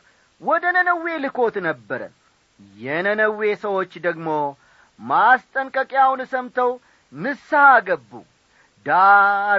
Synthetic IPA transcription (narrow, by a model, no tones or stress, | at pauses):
wɔd̪ənənəwːe̞lɨkʰo̞t̪nəbːəɾə̰n | jɛnənəwːe̞səwo̞t͡ʃːd̪əɡmo̞ | mast̪ʼəŋkʼəkʼjawunɨsəmt̪ʰəw | nɨsːahaɡəbːṵ | d̪a